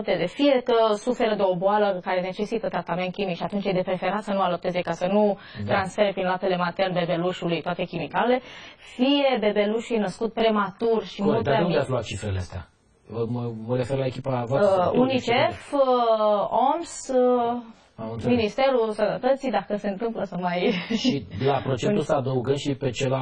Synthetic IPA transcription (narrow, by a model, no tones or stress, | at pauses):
p̚t̪ezefije̞kəsufe̞ɾəd̪e̞o̞boaləkaɾe̞ne̞t͡ʃe̞sit̪ət̪ɾat̪ame̞nt̪̚kʲimikʃiat̪unt͡ʃejd̪e̞pɾe̞fe̞ɾat̪sənualop̚t̪e̞ze̞kasənu | t̪ɾansfe̞ɾepɾinloat̪e̞le̞mat̪ernbe̞be̞luʃulujt̪oat̪e̞kʲimikale̞fije̞be̞be̞luʃujnəskut̪̚pɾemat̪urʃimuld̪enuveatsloat̪̚t͡ʃifɾeleast̪ea̰ | məməɾe̞ferlaekʲipavoasunit͡ʃef | oms | minist̪e̞ɾusənət̪ət̪sid̪akəse̞ɨnt̪ɨmpləsamajʃilapɾo̞t͡ʃẽusaːd̪əuɡənd̪ʃipet͡ʃela